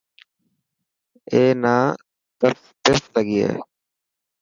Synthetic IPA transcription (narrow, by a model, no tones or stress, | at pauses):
eːnaː | t̪ət | t̪eːst̪ləɡiːḛː